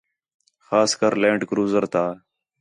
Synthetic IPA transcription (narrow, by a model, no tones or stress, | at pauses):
xaːskəɾlẽːɳɖkɾuːzəɾt̪aː